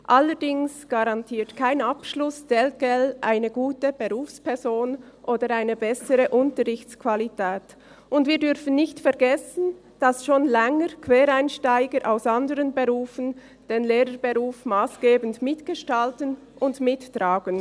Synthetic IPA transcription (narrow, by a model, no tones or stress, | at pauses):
ʔaləɾdɪŋsɡ̥aɾɑntʰiːtkʰaɪnapʃlʊsd̥ɛlt̚ɡ̥ɛlʔaɪnəɡuːtəb̥eʁuːfspʰɛʁzoːnʔoːdəɾaɪnəbɛsəɾəʔʊntəɾʁɪçtt͡skʰv̥alitʰɛːt | ʔʊndviːɐdʏɾfən̩nɪçtfɛʁɡɛsən̩ | d̥ɑsʃoːnlɛŋəɾkv̥ɛːɾaɪnʃtaɪɡəɾʔaʊsandəʁənbeʁuːfən̩ | d̥eːnleːɾəbeʁuːfmaːsɡ̥eːbən̩dmɪtɡ̥əʃtaltən | ʔʊndmɪtːɾaːɡ̥ən